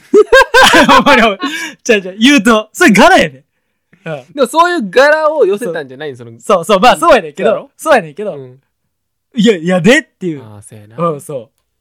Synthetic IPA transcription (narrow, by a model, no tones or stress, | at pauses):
omːanʲiot͡ɕãt͡ɕãjɯːt̪̬osoɾeɡaɾajane | ɯ̃ːd̪emoso̞ːjɯ̟ːɡaɾaojoset̪ãɲd͡ʑanaisonosoːsoːmaːso̞ːjanẽ̞ŋke̞d̪osoːjanẽ̞ŋke̞d̪o | jajad̪et̪ːejɯːsɯ̃ːsoː